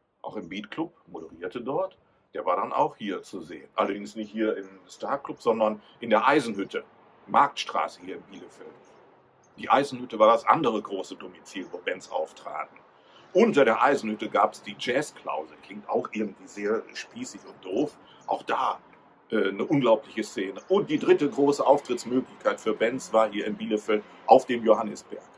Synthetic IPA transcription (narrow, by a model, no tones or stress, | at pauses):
ʔa̰ʊxɪmbiːtklʊp̚moɾəʁiːɐtədɔɐt | d̥eːɐvaːɐɾanʔa̰ʊxhiːɐt͡suzeːənʔalɐdɪŋsnɪçthiːɐɪmstaɐklʊpz̥ɔndɐnʔɪndeːɐʔaɪzn̩hʏtʰə | maɐk̚tʃtʁ̥a̰ːsəhiːɐɪmbiːləfɛlm | d̥iːʔa̰ɪzn̩hʏtəvaːɐɾasʔa̰ndəʁ̞əɡʁoːsədomit͡siːlvoːbɛnsʔa̰ʊftʁ̥a̰ːt̚n̩ | ʔʊntɐdeːɐʔaɪzn̩hʏtəɡaːpɛ̥sd̥iːd͡ʒɛːskl̥a̰ʊzəklɪŋk̚ta̰ʊxʔɪɐɡŋ̩tv̥iːzeːɐʃpiːsɪçʊnt̚d̥oːf | ʔaʊxd̥aː | ʔɛːnəʔʊnɡlaʊplɪçəst͡seːnəʔʊnt̚d̥iːdʁɪtəɡʁoːsəʔaʊftʁ̥ɪtsmøːklɪçkʰaɪtfyːɐbɛnt͡sv̥aːɐhiːɐɪmbiːləfɛlm | ʔaʊfd̥eːmjohanɛsb̥ɛ̰ɐk